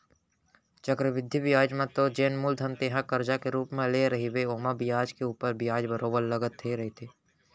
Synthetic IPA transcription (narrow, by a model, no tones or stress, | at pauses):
t͡ʃəkɾəʋɪd̪ʱːibijaːd͡ʒmẽt̪od͡ʒeːnmuld̪ʱənt̪eːɦãkəɾd͡ʒakeɾuːpmẽleɾɐɦibeoːmabɪjaːd͡ʒkeuːpəɾbɪjaːd͡ʒbəɾoːbəɾləɡət̪ʰːeɾɐɦet̪ʰeː